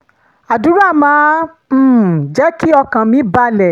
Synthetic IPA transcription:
a˨du˨˦ɾa˦˨mãː˨˦ | m̩ː˨d͡ʒɛ˦ki˦ɔ˧kã˨mĩ˨˦ba˧˦lɛ˨

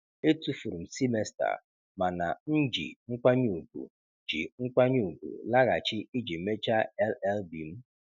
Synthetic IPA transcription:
e˦tu˦fu˨ɾu˨m̩˨si˦me˦sta̰˨ | ma˨na̰˨n̩˦d͡ʒḭ˨ŋ̩˦kʷa˦ɲu˦u˨bṵ˨ | d͡ʒḭ˨ŋ̩˦kʷa˦ɲu˦˨u˨bṵ˨la˦ɣa˨t͡ʃɪ˦i˦d͡ʒi˨˦me˦t͡ʃa˦ɛ˦lɛ˦lbi˨m̩˦

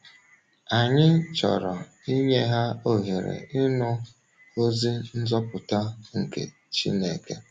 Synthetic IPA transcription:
a˨ɲɪ˦t͡ʃɔ̰˨ɾɔ˨ | i˦ɲe˦ɦa˦o˦ɦe˨ɾḛ˨ɪ˦nʊ˦ | o˦zi˦n̩˦zɔ˦pʊ˨ta˦ŋ̩˨kḛ˨ | t͡ʃḭ˦ne˨ke˦

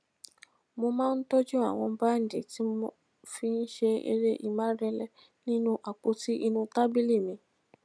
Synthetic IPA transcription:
mo˧mãː˦n̩˦tɔ˦d͡ʒu˦a̰˦˨w̃ɔ̃˧ba˦n̩˨dḛ˨ti˨˦o˧ | fi˦n̩˦ʃe˧ḛ˧ɾe˦ʔḭ˨mã˦ɾɛ˧lɛ˧˨ | nĩ˦nũ˦ʔa˨k͡pu˨˦ti˦ʔi˧nũ˧ta˦bi˦li˦˨mĩ˨˧

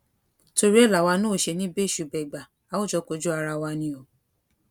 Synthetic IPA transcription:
to˧ɾi˦ɛ˦˨la˨wa˧nũ˦o˦˨ʃe˧nĩ˦be˦˨ʃu˨bɛ˨ɡ͡ba˨ | a˨˦o˦˨d͡ʒɔ˧˦ko˧˦d͡ʒu˦a˧ɾa˧wa˧nĩ˧o˨

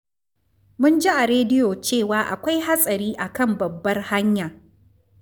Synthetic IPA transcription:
mʊ˦nd͡ʒi˦ʔa˨ɾeː˦dɪ˦joː˨t͡ʃeː˦˨waː˨ʔa̰˨kʷa˦jha˦sʼɐ˨ɾiː˦ʔa˨kɐ˦˨mbɐ˨bːɐ˦rha˦ɲja˨

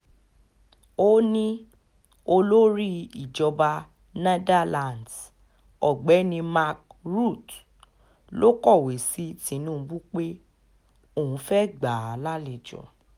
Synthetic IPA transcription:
o˦nĩ˦ | o˧lo˦ɾi˦i˦˨d͡ʒɔ˧ba˧ | ne˧da˦lã˨nd | ɔ˨ɡ͡bɛ˨˦nĩ˧ma˧k̚ɾu˦˨t | lo˦kɔ˦˨we˨si˨˦tĩ˨˧˦nũ˦˨˧bu˦k͡pe˦ | o˦˨ũ˧fɛ˦ɡ͡ba˨la˦le˧˨d͡ʒɔ̰˨

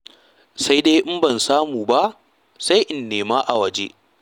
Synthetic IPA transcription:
sa˦jde˦ʔɪ˦mbɐ˨nsaː˦muː˨ba˦ʔ | sa˦jʔɪ˨nːeː˨maː˦ʔa˨wɐ˨d͡ʒḛ˦

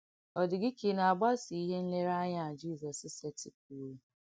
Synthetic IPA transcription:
ɔ˨dɪ˨ɡɪ˦ki˨na˨a˨ɡ͡ba˦si˨i˦ɦe˦n̩˦le˦ɾa˦ɲa˦˨d͡ʒi˦˨zɔ˨sɪ˦se˦tɪ˨k̚u˨ɾu˦

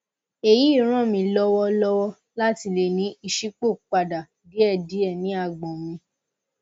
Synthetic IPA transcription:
e˨ji˨˦i˦˨ɾ̃ã˦˨mĩ˧lɔ˦wɔ˦lɔ˦wɔ˦ | la˦ti˧le˨nĩ˦i˧ʃi˦k͡po˦˨k͡pa˨da˨ | di˨˦ɛ˧˨di˨˦ɛ˨nĩ˨˦a˧˨ɡ͡bɔ̃˨mĩ˧

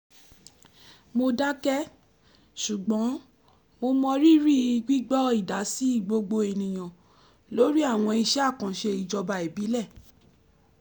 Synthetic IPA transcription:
mo˧da˦kɛ˦ | ʃu˨ɡ͡bɔ̃˨˦ | mo˧mɔ̃˧ɾi˦ɾi˦i˧ɡ͡bi˦ɡ͡bɔ˦i˦˨da˨˦si˦i˦˨ɡ͡bo˧ɡ͡bo˧e˧˨nĩ˨j̃ã˨ | lo˨˦ɾi˦a˦˨w̃ɔ̃˧i˧ʃɛ˦a˦˨kã˨ʃe˧i˨d͡ʒɔ˧ba˧e˨bi˨˦lɛ˦˨

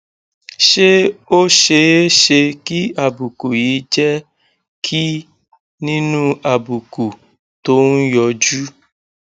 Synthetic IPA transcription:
ʃe˦o˦ʃe˧e˦ʃe˧ki˦a˨bu˨ku˨ji˨˦d͡ʒɛ˦ | kʰi˦ | nĩ˦nũ˦a˨bu˨ku˨ | to˨˦n̩˦jɔ˧d͡ʒu˦

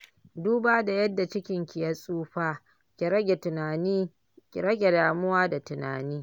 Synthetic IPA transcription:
duː˦baː˦da˨jɐ˦dːa˨t͡ʃɪ˦kʲɪ˨ŋkʲɪ˨ja˦sʼuː˦ɸaː˦ | kʲi˨ɾɐ˦ɡʲe˨tʊ˨naː˨niː˦ | kʲi˨ɾɐ˦ɡʲe˨daː˨mʊ˦waː˦da˨tʊ˨na̰ː˨niː˦

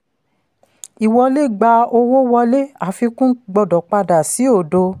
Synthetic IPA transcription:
i˨wɔ˧le˦ɡ͡ba˧o˧wo˦wɔ˧le˦a˨fi˧kũ˦ɡ͡bɔ˧dɔ˨k͡pa˧da˨si˨˦o˦˨do˧

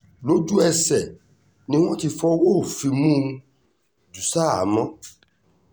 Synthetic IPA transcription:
lo˦d͡ʒu˦ɛ˧sɛ˨ | nĩ˦w̃ɔ̃˦ti˧fɔ˦wo˦˨fi˧mũ˦ | d͡ʒu˨sa˦a˨mɔ̃˦

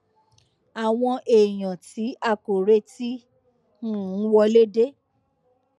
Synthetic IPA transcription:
a˨w̃ɔ̃˧ʔe˨j̃ã˨ti˨˦ʔa˧ko˨ɾe˧˦ti˦ | nũ˦˨˦wɔ˧le˦de˦

